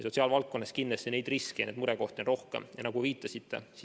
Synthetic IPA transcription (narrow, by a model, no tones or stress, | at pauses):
so̞t̪ʲsiɑːlvɑlt̪̚ko̞nːeskinːesene̞jd̪̥riskejɑneːd̪muɾɛko̞ht̪onro̞hkḛmjɑnɑɡ̥uviːt̪ːˑɑsit̪ːe̞̰si